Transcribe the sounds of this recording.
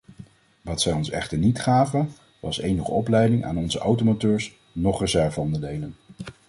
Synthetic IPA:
ʋɑtsɛjɔnsɛ̰χtəɹnitχaːvə | ʋɑsejnəχə̰ɔplɛjdɪŋʔa̰ːnɔnzəʔawtomotøːɹs | nɔχrəzɛɹvəɔndəɹdejlən

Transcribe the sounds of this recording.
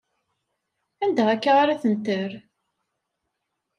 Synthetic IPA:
ænd̪æʁækːaʁaɾæθənt̪əɾ

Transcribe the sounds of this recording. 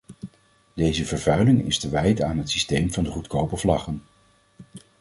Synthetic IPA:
dejzəvəɹvœɥlɪŋɪ̰stəʋɛjtaːnɦətsistejmvɑndəχutkowpəɹvlɑχən

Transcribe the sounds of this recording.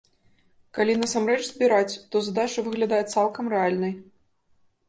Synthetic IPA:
kalʲinɐsamɾɛt͡ʂzʲbʲiɾat͡sʲt̪ɔzad̪at͡ʂɨvɨɣlʲad̪ajɛt̪salˠkɐmɾɛalʲnɐj

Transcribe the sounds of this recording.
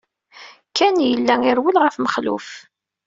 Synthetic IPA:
kːænjəlːæŋɪɾwəlʁəfməχlṵf

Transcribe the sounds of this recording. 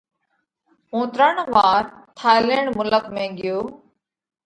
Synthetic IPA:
õːt̪ɾəɳʋaːɾt̪ʰaːɪleːɳmʊləkmẽːɠɪjoː

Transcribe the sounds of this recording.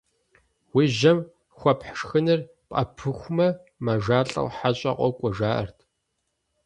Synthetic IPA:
wiːʒɐm | xʷɔpħʂxɨnɨr | pʼɐ̰pʰɨxʷmɐ | maʒaːɬʼɐ̰wħaɕʼɐ̰qʷɔkʷʼɔʒaːʔɐ̰rtʰ

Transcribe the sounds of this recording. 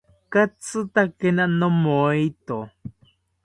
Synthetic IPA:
kat͡sɨt̪akenanomoit̪o

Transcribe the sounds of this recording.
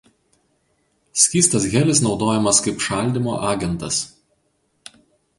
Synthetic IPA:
sʲkʲiːst̪ɐs̬ɡʲɛlʲɪsnɒʊd̪oːjɛmɐskɐɪpʃɑˑlʲd̪ʲɪmo̰ːʔɑːɡʲɛnt̪ɐs

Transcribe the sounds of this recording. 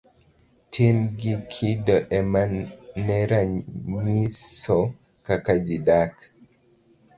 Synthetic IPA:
tʰimɡikʰidɔʔɛmanɛɾaɲisɔ | kakad͡ʒidak

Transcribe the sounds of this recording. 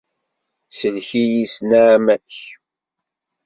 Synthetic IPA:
səlçijisnaʕmæç

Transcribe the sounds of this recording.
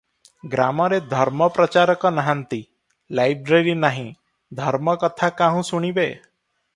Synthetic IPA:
ɡɾamɔɾed̪ʱɔɾmɔpɾɔt͡ʃaɾɔkɔnaɦant̪i | lajbɾeɾinaɦĩ | d̪ʱɔɾmɔkɔt̪ʰakaɦũsuɽ̃ibe

